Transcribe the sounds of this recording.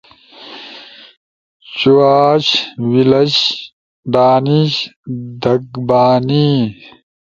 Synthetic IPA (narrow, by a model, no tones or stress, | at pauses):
t͡ɕuwaːɕwilɐɕ | ɖ̪aːniɕd̪ɐɡbaːni